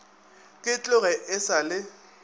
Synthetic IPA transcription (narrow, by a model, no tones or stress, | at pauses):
kʼɪt͡ɬʼʊɣɛʔɪsalɪ